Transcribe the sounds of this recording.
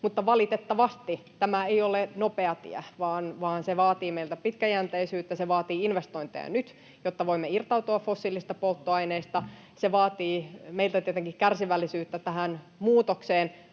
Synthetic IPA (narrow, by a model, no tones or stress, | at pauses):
mut̪ːɑʋɑlit̪et̪ːɑʋɑst̪it̪æmæeiolenopeɑt̪ḭæʋɑːnʋɑːnseʋɑːt̪iːmeilt̪æpit̪kæjænt̪eisyːt̪ːæseʋɑːt̪iːinʋest̪oint̪ḛɑ̰nyt̪ | jot̪ːɑʋoimːeirt̪ɑut̪uɑffosːilist̪ɑpolt̪ːoɑineːst̪ɑ | seʋɑːt̪iːmeilt̪æt̪iet̪eŋkikærsiʋælːisyːt̪ːæt̪æhæn | muːt̪okseːn